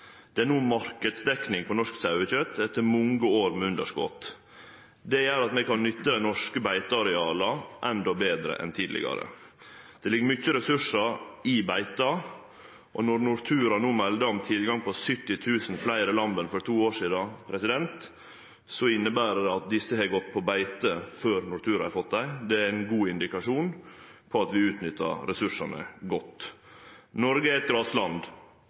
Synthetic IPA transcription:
d̪̥ɛænuːmɑɾkəd̪sd̪ɛknɪŋpʰɔnɔʂksɑʉəçœt̪ːɛt̪ːəɾmɔŋɡəoːɾmɛʉnd̪əʂkɔ̰t̪ | d̪ɛjæːɾɑt̪mɛkɑnnʏt̪ːəd̪ɛnɔʂkəbæɪt̪ɑɑɾɛɑːləʔɛnd̪ɔbeːd̪ɾə̰ʔɛ̰nt̪ʰiːd̪lɪ̰ɡɑ̰ɾə̰d̪̥ɛlɪɡəɾmʏt͡ʃːəɾɛsʉʂəɾɪbæɪt̪ɑ | ʔɔ̰nɔɾnʊɾt̪ʰʉːɾɑnuːmɛld̪əɔmt̪ʰɪlɡɑŋpʰɔsʏt̪ːɪt̪ʰʉːsn̩flæɪɾɪlɑmbənfɔɾt̪ʰuːoːʂiːd̪ɑpʰɾɛsɪd̪ɛnt̪ | sɔɪnːəbæːɾədɑt̪̚d̪ɪsːəhɛɡɔt̪̚ːpʰɔbæɪt̪əføːɾnʊɾt̪ʰʉːɾɑhɛɾfɔt̪̚d̪æɪd̪ɛæɾæɪnɡuːɪnd̪ɪkɑʂuːnpʰɔɑt̪ʋɪʉːt̪nʏt̪ːɑ̰ɾɾɛsʉʂɑnə̰ɡɔt̪ː | nɔɾɡəæɾɛt̪̚ɡɾɑːslɑnd̪

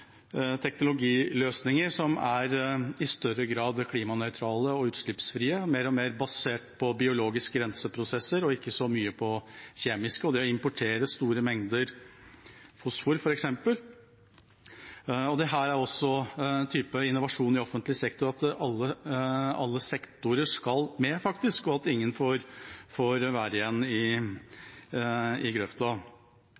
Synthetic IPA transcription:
t̪ʰɛknʊlʊɡiːløːsnɪŋəɾʂɔmæɾɪst̪œɾəɡɾɑːd̪kʰliːmɑnœʏt̪ʰɾɑːləɔʉːt̪ʂɭɪpsfɾiːəmeːɾɔmeːɾbɑseːʈpʰɔbɪʊloːɡɪskəɡɾɛnsəpʰɾʊsɛsːəɾɔɪkːəsɔmyːəpʰɔçeːmɪskəɔd̪ɛɔɪmpʊʈʰeːɾəst̪uːɾəmɛŋd̪əɾ | fʊsfʊɾfɔɾɛksɛmpəl | ɔd̪ɛɦæːɾæɾɔsːɔt̪ʰyːpəɪnːʊʋɑʂuːnɪɔfənt̪lɪsɛkt̪ʊɾɑt̪ɑlːə | ɑlːəsɛkt̪ʊɾəʂkɑlmɛfɑkt̪ɪskɔɑt̪ɪŋːənfɔɾfɔɾʋæːɾəɪjɛnːɪ | ɪɡɾœft̪ɑ

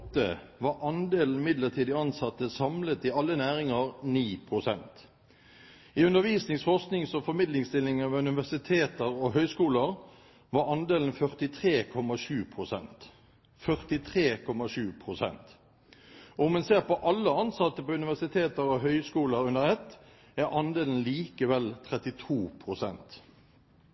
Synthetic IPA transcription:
t̪ːə̰ʋɑɾʔɑnd̪eːln̩mɪd̪ləʁt̪ʰiːd̪ɪɑnsɑt̪ːəsɑmlət̪ɪɑlːənæːɾɪŋəʁniːpʰʁʊsɛnt̪ | ɪʉnəɾʋiːsnɪŋsfɔʁsknɪŋsɔfɔɾmɪd̪lɪŋst̪ɪlːɪŋɑʋʉnɪʋæsɪt̪ʰeːt̪əɾɔɦœʏskuːləʁ | ʋɑɾɑnd̪eːlnfœʁt̪ɪt̪ʰʁeːkʰɔmɑʂʉːpʰʁʊsɛ̰nt̪ | fœʁt̪ɪt̪ʰʁeːkʰɔmɑʂʉːpʰʁʊsɛ̰nt̪ | ɔɔmɛnseːʁpɔʔɑlːəɑnsɑt̪ːəpɔʉnɪʋæʁsɪt̪ʰeːt̪əɾɔɦœʏskuːləɾʉnəʁɛt̪ | æɾʔɑnd̪eːln̩liːkəʋɛlt̪ʰɾɛt̪ɪt̪ʰuːpʰʁʊsɛ̰nt̪

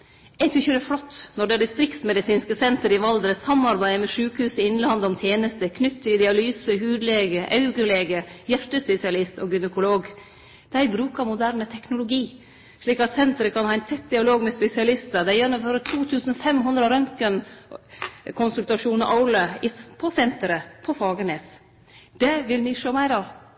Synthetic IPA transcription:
æɛɪt̪ʰɾʏçəd̪ɛflɔt̪ːnɔɖɛæɖɪst̪ɾɪkt̪smɛd̪ɪsiːnskəsɛnt̪əɾɪʋɑld̪ɾəsɑmɑɾbæɪmɛʂʉːkəhʉːsɪɪnlɑnd̪ɔmt̪ʰjeːnəst̪əkʰnʏt̪ʰːəɪd̪ɪɑlyːsəɦʉːd̪leːɡəʔɑʉɡəleːɡəjæʈəspɛsɪɑlɪst̪oɡʏnəkʊloːɡ | d̪̥æɪbɾʉːkɑɾmʊd̪æːɾɳət̪ʰɛknʊlʊɡiː | ʂɭiːkɑt̪sɛnt̪əɾəkʰɑnhɑːæɪnt̪ʰɛt̪̚d̪ɪɑloːɡmɛspɛsɪɑlɪst̪əd̪æjɛnːʊmføːɾət̪ʰuːt̪ʰʉːsn̩fɛmɦʉnd̪ɾəɾœŋkən | kʰʊnsʉlt̪ɑʂuːnəʔɑʊləɪpʰɔsɛnt̪əɾəpʰɔfɑːɡəneːs | d̪̥ɛʋɪlmɪʂoːmæɪɾɑ

